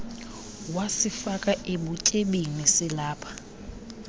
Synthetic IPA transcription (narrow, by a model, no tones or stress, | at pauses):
wasifakʼaʔeɓucʼeɓinisɪlaːpʰḁ